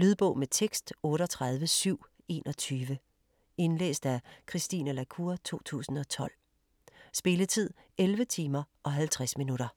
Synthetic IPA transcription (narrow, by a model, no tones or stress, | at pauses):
lyðˠb̥ɔ̽ʊmet͡sʰeɡ̥sd̥ɔ̽ːɾ̥əɒt͡sʰʁað̞ˠʋəsyʊ̰ | e̝ːnʔɒ̽t͡sʰyːʋə | e̝nlḛːsd̥ækʰʁisd̥ḭːnəlækʰuːɐt͡sʰo̝̰ːt͡sʰṵːsn̩ɒ̽t͡sʰɒ̽l̰ | sb̥e̝lət͡sʰið̞̰ˠ | elʋət͡sʰiːmɐʔɒ̽ɦælt͡sʰʁasminuɾɐ